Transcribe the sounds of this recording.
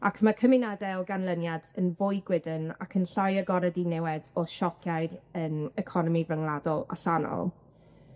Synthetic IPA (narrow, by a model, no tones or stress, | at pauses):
akʰmakʰəmɪnadɛɔɡanlˠənjadənvʊjɡwɪdəna̰kʰənɬajəɡɔɾədinɛwɛdɔʃɔkʰjajdənɛkʰɔnɔmivrəŋlˠadɔlˠa̰ɬanɔ̰lˠ